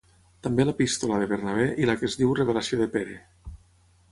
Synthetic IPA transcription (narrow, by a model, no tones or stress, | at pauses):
t̪ambelepist̪olaðeβeɾnaβ̞ɛʔilakezðiwreβelasioðepeɾe